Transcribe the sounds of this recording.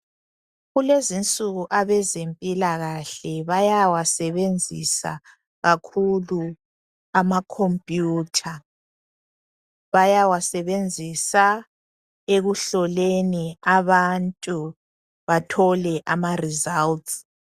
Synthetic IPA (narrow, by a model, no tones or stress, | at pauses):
ɣulezint͡sʼuɣuʔaβɛzempʼilaɣaɬɛβajawasɛβend͡zʱḭsa̰ | ɣakʰulu | amakʰompʼjuːtʰa | βajawasɛβend͡zʱisa | eɣuɬɔleniaβantʼu | βatʰɔlɛʔamarizalts